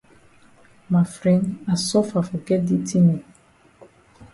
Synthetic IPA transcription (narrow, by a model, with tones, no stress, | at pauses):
ma˨fɾɛ̃˦nda˨sɔ˦fa˨fɔ˨ɡɛ˦t̚di˦tʰi˦ni˨